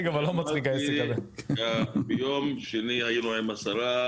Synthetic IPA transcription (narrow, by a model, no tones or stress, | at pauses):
ɡavalːomat͡sχikaesekazeabejomʃenihajinuaemasaɾa